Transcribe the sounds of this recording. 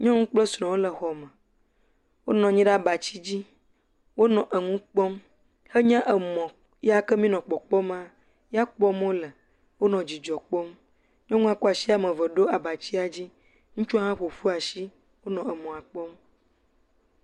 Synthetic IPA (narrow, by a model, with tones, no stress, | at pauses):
ɲɔ̃˦ŋũ˦k͡plə˦sɾɔ̃˨wo˦lə˨xɔ˨mə̃˨ | wo˦nɔ̃˨ɲĩ˦ɖa˦ba˨t͡ɕi˦d͡ʑi˦ | wo˦nɔ̃˨ʔə˨ŋũ˦k͡pɔ˦m | hə˦ɲã˦ʔə˨mɔ̃˨ | ja˦kə˦mĩ˦nɔ̃˨k͡pɔ˨k͡pɔ˦m˦ã˦ | ja˦k͡pɔ˦m˦o˦lə˨ | wo˦nɔ̃˨d͡ʑi˨d͡ʒɔ˨k͡pɔ˦m | ɲɔ̃˦ŋũ˦a˨kɔ˦a˨si˦a˨mə̃˨və˨ɖo˦a˨ba˨t͡ɕi˦a˨d͡ʑi˦ | ŋũ˦t͡ʃu˦a˦ɦã˦ɸo˨fu˦a˨ʃi˦ | wo˦nɔ̃˨ə˨mɔ̃˨a˨k͡pɔ˦m